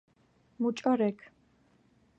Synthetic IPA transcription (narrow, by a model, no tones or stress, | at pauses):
mut͡ʃʼɔɾɛkʰ